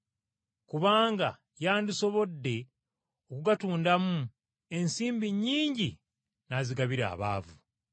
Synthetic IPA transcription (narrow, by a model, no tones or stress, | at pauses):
kuβaːŋɡa̰ | jaːndiso̞βo̞dːe̞ | o̞kuɡatuːndamu | e̞nsiːmbiɲːiːɲɟi | naziɡaβiɾa̰ːβa̰ːvu